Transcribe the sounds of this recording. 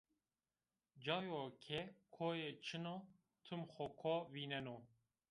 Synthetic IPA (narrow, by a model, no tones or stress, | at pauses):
d͡ʒɑːjoːkʰɛkʰoːjet͡ʃʰɨno | t̪ʰɨmxɔkʰoːviːnɛno